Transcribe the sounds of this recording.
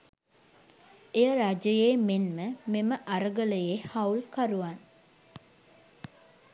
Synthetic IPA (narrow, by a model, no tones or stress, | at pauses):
ejəɾad͡ʒəjeːmenməmeməʔaɾəɡələjehaulkaɾuʋan